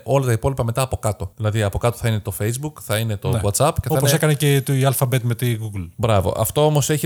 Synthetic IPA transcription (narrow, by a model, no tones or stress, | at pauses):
ʔo̞lɐt̪ɐipo̞lipɐme̞t̪ɐːpo̞kɐt̪o̞ðilɐðiɐpo̞kɐt̪oθɐine̞t̪o̞fejzbukθɐine̞t̪o̞ɣɐt̪sɐpceθoponsekɐnecet̪uiɐlfɐbet̪met̪iɡuɡlbɾɐvo̞̰ʔɐ̰ft̪oomo̞seçi